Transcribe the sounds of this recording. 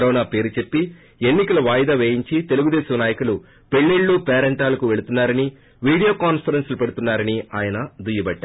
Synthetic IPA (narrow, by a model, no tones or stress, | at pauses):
ɾɔːnaːpe̞ːɾut͡ʃe̞pːi | e̞nːikɐlɐʋaːjd̪aːʋeːjiɲt͡ʃit̪e̞luɡud̪ɛːsɐmnaːjɐkulu | pe̞ɭːeɭːupɛːɾɐɳʈaːlɐkuʋe̞ɭut̪unːaːɾɐni | ʋiːɽijoːkaːnpʰɐɾenslupɐɽut̪unːaːɾɐniaːjɐnɐd̪ʱujɐbɐɖːaː